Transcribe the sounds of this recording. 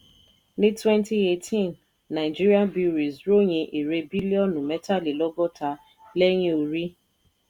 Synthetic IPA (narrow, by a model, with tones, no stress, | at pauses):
nɪ˦twɛ˦nti˦e˨tʰi˦˨nː | a˨ɪ˨d͡ʒi˦ɾi˦ã˦nbi˦ɾi˨zɾo˦ɲe˨ʔi˨ɾe˦bi˦li˦ɔ˦nʊ˨me˦ta˦li˨lɔ˦ɡɔ˦ta˨ | le˦ɲe˨u˨ɾi˦